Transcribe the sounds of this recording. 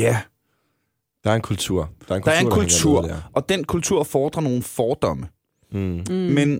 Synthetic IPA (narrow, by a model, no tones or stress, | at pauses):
æ | d̥ɑ̈æɐenkʰult͡sʰuɐ̰d̥ɑɐkɑ̈æɐɐekʰult͡sʰuɐ̰ɒ̽d̥enkʰult͡sʰuɐ̰fɒːd̥ʁɐno̝ːn̩fɒːd̥ɒ̽mə | men